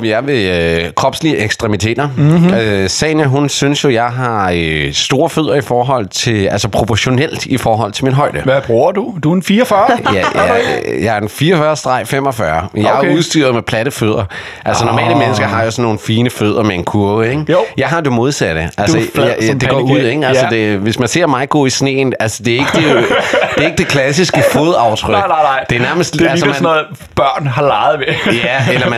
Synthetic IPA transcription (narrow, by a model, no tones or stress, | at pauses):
ʋjɑ̈ɪʋe̝økʰʁɒ̽b̥sliəeɡ̥sd̥ʁɛmit͡sʰe̝̰ːd̥ɐøsɛ̰ːnæɦunsynsjo̝jɑ̈ɪɦɑ̈øsd̥o̝ːɐføð̞̰ˠɐifɒːɦɒ̽l̰t͡sʰe̝ælsəpʰʁo̝pʰɒɕo̝nel̰d̥ifɒːɦɒ̽l̰t͡sʰe̝lminɦɒ̽ɪ̰d̥əb̥ʁuɐ̰d̥ud̥unfiːɐfɐj | jɑ̈ɪæɐenfiːɒfɶːɐsd̥ʁɑ̈ɪ̰fem̰ɒ̽fɶːɐnjɑ̈ɪɐuðˠsd̥y̰ːɐðˠmepʰlæɾ̥əføð̞̰ˠɐ | ʔælsənɒmɛ̰ːləmenəsɡ̥ɐɦɑ̈josɒnːo̝ːn̩fiːnəføð̞̰ˠɐmeenkʰuɐeɡ̥jɑ̈ɪɦɑ̈d̥emo̝ð̞ˠsæd̥əʔælsəd̥e̝ɡɒ̰ːuð̰ˠeɡ̥ælsəd̥e̝ʋe̝smænse̝ɐ̰mɑ̈ɪɡ̥o̰ːisne̝̰ːnælsə̥d̥e̝æɐe̝ɡ̥əd̥e̥d̥e̝ɐe̝ɡ̥əd̥e̝kʰlæsisɡ̥əfoð̞ˠɑ̈ʊt͡sʰʁœɡ̥d̥eæɐnæɐməsd̥ælsəmæ | b̥ɶɐ̰nɦɑ̈lɑɪð̩ˠmejæelɐmæ